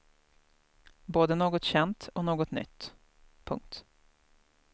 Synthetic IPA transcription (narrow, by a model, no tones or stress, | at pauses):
boːd̪ənoːɡɔt̪ɕɛnt̪ɔnoːɡɔt̪nʏ̰t̪ː | pʰɵ̰ŋk̚t̪